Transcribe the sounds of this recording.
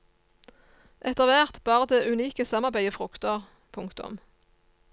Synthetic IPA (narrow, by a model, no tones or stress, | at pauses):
ʔɛt̪əʁʋæʁt̪bɑːʁəd̪eːʔʉniːkəsɑmɑʁbæɪəfʁʊkt̪əʁ | pʰʊŋkt̪ʊ̰m